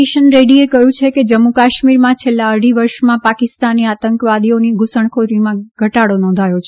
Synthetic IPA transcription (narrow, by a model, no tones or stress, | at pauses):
iʃənɾeɽiekəɦjũt͡ʃʰeked͡ʒəmːukaʃmiɾmãt͡ʃʰelːaəɽiʋəɾʃmãpakɪst̪anːiat̪əŋkəʋad̪ioniɡʱusəɳ̃kʰoɾimãɡʱəʈaɽonɔ̃nd̪ʱajot͡ʃʰe